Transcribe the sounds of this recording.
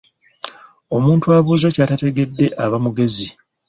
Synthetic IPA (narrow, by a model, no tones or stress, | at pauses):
o̞muːntuaβuːzo̞caːtate̞ɡe̞dːe̞ʔaβamuɡe̞zi